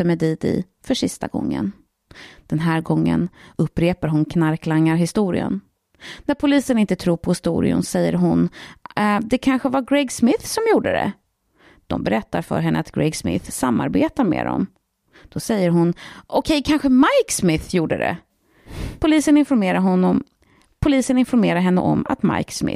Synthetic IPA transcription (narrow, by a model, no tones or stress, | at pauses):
əmɛd̪iːd̪ɪ̰ | fœʂɪst̪a̰ɡɔ̰ŋːə̰n | d̪̥ɛnɦæːɾɡɔŋːə̰nɵpːɾeːpaɾɦʊnkʰnaɾklaŋːaɾɦɪst̪uːɾɪə̰n | næɾpʰʊliːsənɪnt̪ət̪ʰɾuːɾpʰɔhɪst̪ṵːɾɪ̰ʊ̰nsɛjːə̰ɾɦʊn | d̪ɛkʰanɧəvaɾɡɾɛɡsmɪθsɔmjuːɖəd̪ɛ̰ | d̪̥ɔ̰mbɛɾɛt̪ːaɾfœ̰ɾɦɛnːəat̪ɡɾɛɡsmɪ̰θsamːa̰ɾbḛːt̪aɾmḛːd̪ɔ̰m | d̪̥ɔsɛjːəɾɦʊnʔɔkʰɛjkʰanɧəmajksmɪθjuːɖəd̪ɛ̰ | pʰʊliːsənɪnfɔɾmeːɾaɾɦɔnːɔm | pʰʊliːsənɪnfɔɾmeːɾaɾɦɛnːə̰ʔɔma̰t̪ma̰jksmɪ̰